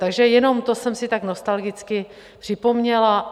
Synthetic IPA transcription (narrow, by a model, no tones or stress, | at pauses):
t̪aɡʒɛjɛno̞mt̪o̞sɛmsɪt̪aɡno̞st̪alɡɪt͡skɪ | pr̝̥ɪpo̞mɲɛla